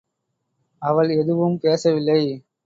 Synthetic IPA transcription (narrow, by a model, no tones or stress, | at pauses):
ɐʋɐɭɛðɯʋɯmpeːsɐʋɪlːɐɪ